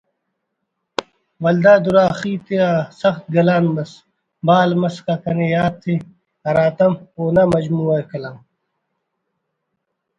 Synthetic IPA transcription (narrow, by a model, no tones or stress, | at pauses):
wɐld̪aːd̪uɾaːxiːt̪easɐxt̪̚ɡɐlaːnmɐs | baːlmɐskakɐnejaːt̪ʰːi | ɐɾaːt̪ɐmoːnamɐd͡ʑmuːɐkɐlam